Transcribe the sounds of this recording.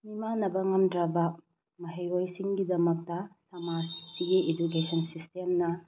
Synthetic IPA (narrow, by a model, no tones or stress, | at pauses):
nimanɐbɐŋɐmdɾɐbɐ | mɐɦejɾojsiŋɡidɐmɐk̚tɐsɐmassiɡied͡ʒukesʰɐnsistemnɐ